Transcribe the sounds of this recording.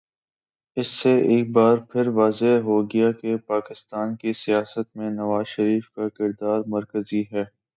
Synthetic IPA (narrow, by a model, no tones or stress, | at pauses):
ɪsːeʔeːk̚baːɾpʰɪɾʋaːzeɦoɡɐjakepaːkɪst̪aːnkisijaːsət̪̚mẽnɐʋaːzʃəɾiːfkakɪɾd̪aːɾmɐɾkəziɦɛː